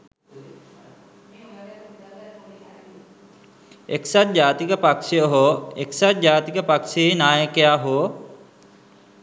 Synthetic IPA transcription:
eksat̪̚d͡ʒaːt̪ikəpakʃijəɦoːeksat̪̚d͡ʑaːt̪ikəpakʃijəinaːjəkejaːɦoo

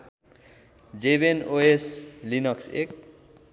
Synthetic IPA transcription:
d͡zebenoeslinʌksḛk̚

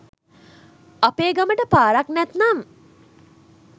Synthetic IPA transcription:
apeːɡaməʈəpaːɾaknɛt̪naŋ

